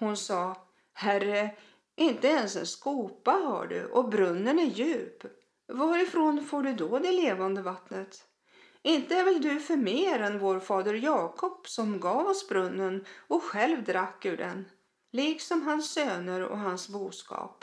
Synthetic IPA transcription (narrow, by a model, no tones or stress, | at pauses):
hʊnsɑː | hærə | ʔɪnt̪əɛnsɛ̰nskuːpaɦa̰ɖɵ̰ʔɔbɾɵnːənæɾjʉ̟ːp | vaɾɪfɾonfoːɖɵd̪ɔd̪ɛleːvand̪əvat̪nət̪ | ɪnt̪əæɾvɛld̪ɵfœɾmeːɾɛnvoːɾfɑːd̪əɾjɑːkʰɔpsɔmɡɑːvɔsbɾɵnːənɔɧɛlvd̪ɾakːɵɖɛ̰n | liːksɔmɦansːøːnəɾɔ̰ɦansbuːskɑ̰ːp